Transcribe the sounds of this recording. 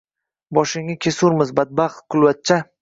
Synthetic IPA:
bɒʃɪŋɪkʲʰesʊɾmɪzbad̪̚baχqʰʊlˠvat̪̚t͡ʃʰa

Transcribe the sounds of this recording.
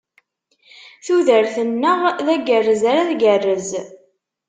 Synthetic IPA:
θuðəɾθənːəʁðæɡərːəzaɾaðɡərːəz

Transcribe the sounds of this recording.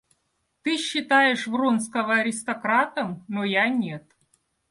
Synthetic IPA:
t̪ɨɕːɪt̪ajɪʂvronskəvəɐɾʲɪst̪ɐkɾat̪əmnojanʲet̪

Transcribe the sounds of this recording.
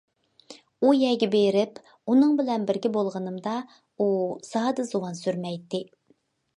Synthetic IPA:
ujɛɡʲɛbeɾɪp | unɨŋbɪlɛnbɪɾɡʲɪbolˠʁənɨmd̪ɑ | usɑːd̪ɨzowɑnsyɾmɛjt̪ʰːɪ

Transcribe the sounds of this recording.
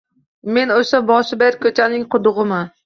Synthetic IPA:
me̞noʃabɒʃɪbeɾkʲʰɵt͡ʃʰanɪŋqʰʊd̪ʊʁɨma

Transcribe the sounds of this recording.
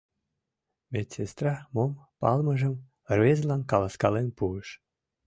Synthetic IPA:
metʲsest̪rɑmompɑ̰lməʒəm | rβezlɑnkɑlɑskɑlenpuəʃ

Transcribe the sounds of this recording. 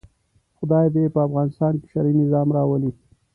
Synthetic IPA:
xʊd̪ɑjb̪epəafɣɑnɪst̪ɑnkɪ̥ʃaɾinɪzɑmɾɑwəli

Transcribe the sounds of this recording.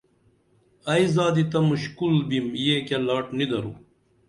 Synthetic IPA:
ɐizaːd̪it̪ɐmuɕkulbimjeːkelaːʈnid̪ɐɾu

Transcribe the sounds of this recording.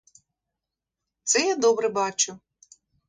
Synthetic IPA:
t̪sɛjad̪ɔbɾɛbɑt͡ʃʊ

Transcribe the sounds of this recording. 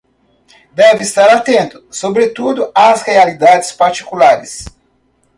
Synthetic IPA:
d̪ɛvɪːst̪aɾat̪ẽnt̪ʊ̥sobɾet̪ud̪ʊasʁealid̪ad͡ʒɪspaɾt͡ʃi̥kulaɾɪs

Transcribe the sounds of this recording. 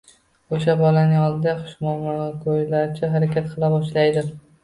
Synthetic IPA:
oʃabɒlanɪɒlˠd̪ɪd̪aχʊ̥ʃmɒmkʰojlaɾt͡ʃʰɪɦaɾakʲat̪qʰɨlˠabɒʃlajd̪ɪ

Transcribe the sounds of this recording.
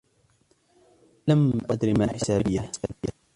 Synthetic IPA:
lamʔad̪ɾimaːħɪsaːbɪjːaaːbɪjːa

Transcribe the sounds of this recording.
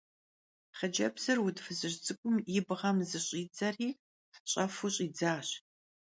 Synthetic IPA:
χəd͡ʒɐbz̥ɨrwʊdfɨzɨʑd͡zʼɨkʷʼʊmjɪbʁɐmzɨɕʼiːd͡zɐriː | ɕʼɐfuɕʼiːd͡zaːɕ

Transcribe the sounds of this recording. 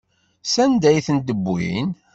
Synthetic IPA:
sænd̪æjθənd̪əbːḭn

